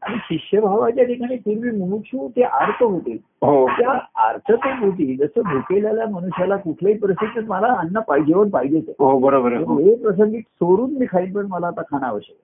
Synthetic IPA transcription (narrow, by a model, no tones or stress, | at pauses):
aɽ̃iɕikɕjəbʱaʋat͡ɕjaʈʰikaɽ̃iːt̪iɾʋiːmunukɕũːt̪eʔaɾt̪ʰəɦot̪e | ɦot̪jaa̰ɾt̪ʰət̪ebʱut̪̬iːd͡zəsəbʱukeljaljaməñuɕjalakuʈʰlaɦiːpɾəsid̪ʱət̪məlaənːəpaid͡ʑeʋəɳpaɦid͡ʑesḛɦobəɾobəɾəɦepɾəs̬əŋɡit̪soɾuːnmiːkʰaiːnpəɳməlaːt̪akʰaɽ̃aʋəɕə̰k